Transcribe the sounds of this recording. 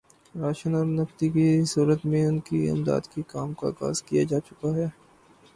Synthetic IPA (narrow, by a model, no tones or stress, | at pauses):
ɾaːʃənɔːɾnɐft̪ikisuːɾət̪mẽʊnkiɪ̰md̪a̰ːd̪kikaːmka̰ːɣa̰ːzkijad͡ʒaːt͡ʃʊkaɦɛː